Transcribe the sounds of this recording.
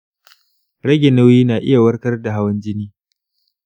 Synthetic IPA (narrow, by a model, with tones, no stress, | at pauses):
ɽɐ˦ɡʲe˨nɐ˦wjiː˦naː˨ʔɪ̰˦ja˨wɐ˦rkɐ˦rda˨ɦa˦wɐ˦nd͡ʒɪ˦niː˦